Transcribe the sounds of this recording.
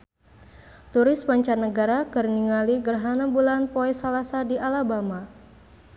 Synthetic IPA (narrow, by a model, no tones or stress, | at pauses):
t̪uɾɪsmaɲt͡ʃanəɡaɾakərniŋaliɡərɦanabulanpoɛsalasadialabama